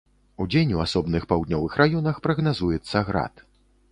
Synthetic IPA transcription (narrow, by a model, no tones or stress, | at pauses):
ud͡zʲenʲuasɔbnɨxpawd̪ʲnʲɔvɨxɾajɔnɐxpɾɐɣnazujɛt̪sːɐɣɾa̰t̪